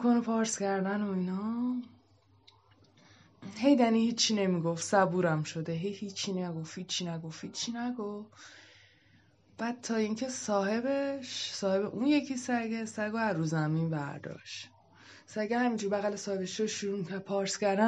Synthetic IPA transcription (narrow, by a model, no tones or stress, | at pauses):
kʰonopʰɒːɾscæɾd̪ænoinɒː | he̞jd̪æniːhiːt͡ʃʰːine̞miɡo̞fsæbuːɾæmʃo̞d̪eɦejhiːt͡ʃʰːinæɡo̞fhiːt͡ʃʰːinæɡo̞fhiːt͡ʃʰːinæɡof | b̥æːd̪̥̚t̪ʰɒːiːŋcʰe̞sɒːɦe̞beʃsɒːhe̞beʔunje̞cʰisæɾɡesæɾɡoæɾuːzæminbæ̰ɾd̪ɒ̰ːʃt̪ | sæɾɡehæmiːnd͡ʒuːɾbæɣælesɒːhe̞beʃʃoʃuɾumicʰæɾ̚pʰɒːɾscʲæɾd̪æ